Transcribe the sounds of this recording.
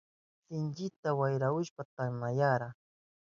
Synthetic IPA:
sɪnt͡ʃɪt̪awajɾaʊʃpat̪amajaɾa

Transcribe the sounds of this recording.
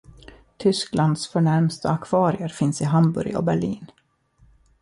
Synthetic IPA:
t̪ʰʏskland̪sfœɳæɾmst̪əakʰv̥ɑːɾɪəɾfɪnsɪɦambɵ̰ɾjɔ̰bæɭḭːn

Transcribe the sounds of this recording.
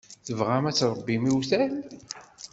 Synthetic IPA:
θəvʁæmæt͡sːɾˤəbːimiwθæl

